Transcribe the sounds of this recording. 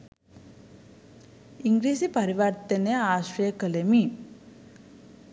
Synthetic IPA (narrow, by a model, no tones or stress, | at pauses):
iŋɡɾiːsipɐɾiʋaɾt̪ɐneaːʃɾɐjəkəlemi